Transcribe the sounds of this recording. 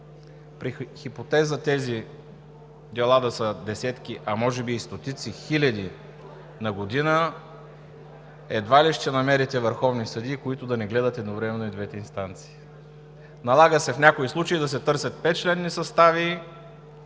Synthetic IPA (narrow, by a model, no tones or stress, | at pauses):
pɾixipot̪ɛzət̪ɛzi | d̪ɛlˠad̪ɐsəd̪ɛsɛt̪k̟iʔɐmɔʒɛbiːst̪ot̪it̪sixilʲɐd̪i | nɐɡod̪inə | ɛd̪valiʃt͡ʃ̪ɛnɐmɛɾit̪ɛvəɾxɔvnisɐd̪ikoit̪ʊd̪ɐnɛɡlɛd̪ət̪ɛd̪novɾɛmɛnoid̪vɛt̪ɛinst̪ant̪si̥ː | nɐlˠaɡəsɛfnʲakoislˠut͡ʃɐid̪ɐsɛt̪ɤɾsʲɐt̪̚pɛt̪̚t͡ʃlɛnːisɐst̪avi